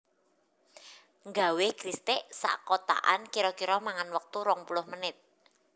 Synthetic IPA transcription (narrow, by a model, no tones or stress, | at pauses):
ŋɡa̤wekɾist̪ɪʔsa̰ʔkot̪a̰ʔankiɾɔkiɾɔmaŋanwək̚t̪uɾɔŋpulʊhmənɪt̪̚